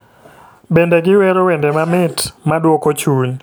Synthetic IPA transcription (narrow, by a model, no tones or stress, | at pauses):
bendeɡɪwɛɾowɛndɛmamɪtmadwɔkot͡ʃuɲ